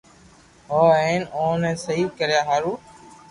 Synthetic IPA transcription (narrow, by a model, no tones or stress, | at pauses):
ɦoːẽːnoːnɛ̃ːsəɦiːkəɾjaːɦaːɾuː